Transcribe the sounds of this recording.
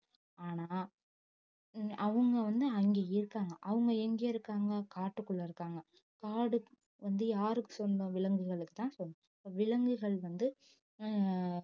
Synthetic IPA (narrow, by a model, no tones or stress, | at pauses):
aːnaː | ɐʋɯŋɡɐʋɐnd̪ɯɐŋɡeːɪɾɯkːaːŋɡɐʔɐʋɯŋɡɐɛŋɡeːɪɾɯkːaːŋɡɐkaːʈːɯkːɯɭːɐɪɾɯkːaːŋɡɐ | kaːɽɯ | ʋɐnd̪ɯjaːɾɯkːɯ̥sɔnd̪ɐ̃ʋɪɭɐŋɡɯɣɐɭɯkːɯ̥t̪ãːsɔnːɐ | pːɐʋɪɭɐŋɡɯɣɐɭʋɐnd̪ɯ